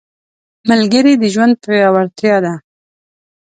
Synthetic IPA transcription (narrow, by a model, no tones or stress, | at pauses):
malɡəɾid̪əʒwand̪̚pəwjɑwaɾt̪jɑd̪a